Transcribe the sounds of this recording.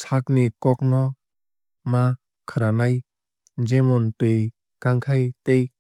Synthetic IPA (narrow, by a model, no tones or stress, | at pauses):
sʰak̚nikɔk̚nɔ | ma | kʰaɾanaj | d͡ʒemɔntɯj | kaŋkʰajtej